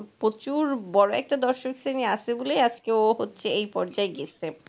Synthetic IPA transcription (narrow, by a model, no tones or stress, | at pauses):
pɾot͡ɕuɾbɔɽoɛ̰k̚ʈad̪ɔɾʃoksenieaʃʰebolejad͡ʑkeoɦotːɕʰeejpɔɾd͡ʑaeɡie